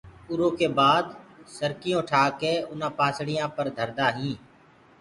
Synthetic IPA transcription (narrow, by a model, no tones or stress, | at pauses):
ʊɾõːkeːbaːd̪səɾkɪjõːʈʰaːkeːʊnãːpãːsɽɪjãːpəɾd̪ʱəɾd̪aːɦĩː